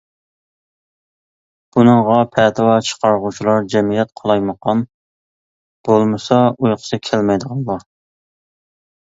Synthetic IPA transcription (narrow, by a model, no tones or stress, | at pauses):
b̥unɨŋʁɑpʰɛt̪ʰɨwɑt͡ʃʰə̥qɑɾʁut͡ʃʰilˠɑɾd͡ʒɛmijɛt̪qʰɑlˠɑjməqɑn | b̥olˠmɨsɑujqʰʊ̥sɨkʲʰælmɛjd̪əʁɑnˠlːˠɑ